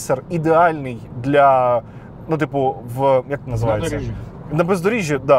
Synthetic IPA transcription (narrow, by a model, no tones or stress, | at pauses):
sʲərɪd̪ʲɪalʲnɨjd̪lʲa | nut̪ʲipʊvəkak̚t̪nəzɨvajɪə | nɐbəzd̪ʊɾʲiʒʲɪd̪a